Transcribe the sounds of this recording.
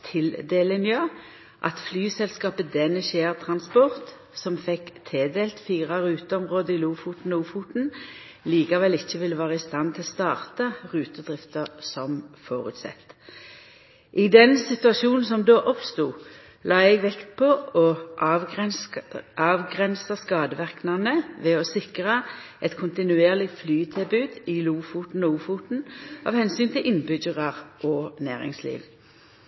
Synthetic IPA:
t̪ʰɪld̪eːlɪnjøː | ʔɑ̰t̪flyːsɛlskɑːpəd̪ɛnːəʃeːʁt̪ʰʁɑnspɔʁt̪ | sɔmfɛkt̪ʰeːd̪eːlt̪fiːʁɑʁʉːt̪əɔmʁoːd̪əɪluːfuːt̪n̩uːfuːt̪n̩ | liːkɑʋɛlɪçːəʋɪlːəʋɑːʁəɪst̪ɑnːt̪ʰɪlɔst̪ɑːʁt̪əʁʉːt̪əd̪ʁɪft̪əsɔmfɔːʁʉ̰t̪sɛ̰t̪ː | ʔid̪ɛnsɪt̪ʉɑʃuːnn̩sɔmd̪oːʔɔpst̪uː | lʔɑːɛːɡʋɛkt̪̚pʰɔɔ | ʔɑːʋɡʁɛnsəskɑːd̪əʋæʁknɑnəʋɛɔsɪkʁəʔɛt̪kʰʊnt̪ɪnʉeːʁlɪflyːt̪ʰɛbʉːd̪ɪluːfuːt̪n̩ɔuːfuːt̪n̩ɑ̰ʋhɛnsyːnt̪ʰɪlʔɪnbʏɡəʁɑʁʔɔnæːʁɪ̰ŋslḭːʋ

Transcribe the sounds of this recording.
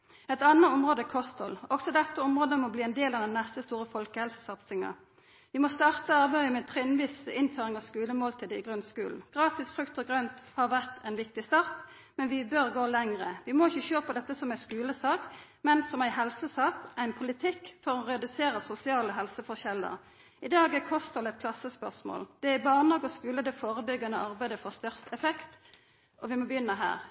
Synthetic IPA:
ɛt̪ɑnːəɔmʁoːd̪əækʰɔst̪ʰɔlɔksɔd̪ɛt̪ːəɔmʁoːd̪əmɔbliːɛɪnd̪eːlɑʋd̪ɛnmɛst̪əst̪uːʁəfɔlkəhɛlsə̥sɑt̪sɪŋə̰ʁ | ʋɪmɔst̪ɑʁt̪əɑʁbæʏəmɛt̪ʰɾɪnʋɪsɪnføːɾɪŋɑʋskʉːləmoːlt̪ʰɪd̪ɪɡʁʉnskʉːln̩ɡ̥ʁɑːt̪ɪsfʁʉkt̪ɔɡʁœʉnt̪hɑʁʋæʁt̪ʰɛɪnʋɪkt̪ɪst̪ɑʁt̪ | mɛnʋɪbøʁɡoːlɛŋʁəʋɪmɔɪçːəçøːpʰɔd̪ɛt̪ːəsɔmæɪskʉːləsɑːk | mɛnsɔmæɪɦɛlsəsɑːkæɪnpʰʊlɪt̪ʰɪkːfɔɾɔʁɛd̪ʉseːɾəsʊsɪɑːləɦɛlsəfɔʁçɛlːə̰ɾ | ɪd̪ɑːɡɛkʰɔst̪əlɛt̪̚kʰlɑsːəspœʁʂmo̰ːld̪̥ɛæɪbɑʁnd̪ɑːɡɔskʉːləd̪ɛfoːʁəbʏɡːɑnəʔɑʁbæɪd̪əfɔst̪œʁst̪ɛfɛkt̪ | ʔɔʋɪmɔbəjʏnːəɦæ̰ːʁ

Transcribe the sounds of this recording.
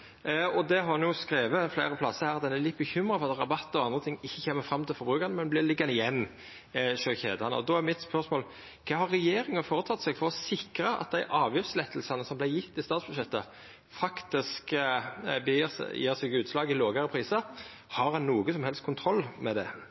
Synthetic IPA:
ɔd̪ɛɦɑɾʁɑnjʊskɾeːʋəflæɪɾəpʰlɑsːəɾhæːɾɑt̪d̪ɛnælɪt̪̚ːbəçʏmɾɑfɔɾɑt̪ʁɑbɑt̪ːəɔɑnd̪ʁət̪ʰɪŋːɪçːəçeːməfɾɑmːt̪ʰɪlfɔɾbɾʉːkɑʁnəmɛnblɪʁlɪɡːɑnɪjɛnː | ʃøçḛːd̪ɑnə̰ɔd̪oːæɾmɪt̪spœʁsmoːl | kʰɑːhɑɾɛjeːɾɪŋɑfoːɾət̪ʰɑt̪sɛːɡfɔɾɔsɪkɾəʔɑ̰t̪̚d̪æɪʔɑːʋjɪft̪slɛt̪ːəl̩sɑnəsɔmblæɪjɪt̪ːɪst̪ɑːt̪sb̥ʉd̪ʃɛt̪ːə | fɑkt̪ɪsk | bj̰ːjḭːʁsɛɡʉːt̪slɑːɡɪloːɡəɾəpʰɾiːsə | hɑɾhɑnːuːɡəsɔmhɛlst̪̚kʰʊnt̪ʰɾɔlːmɛd̪ɛ̰

